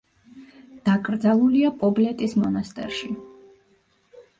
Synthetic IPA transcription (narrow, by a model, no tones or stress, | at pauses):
d̪̥akʼɾd̪zalˠuliapʼɔblɛt̪ʼismɔnast̪ʼɛ̰ɾʃi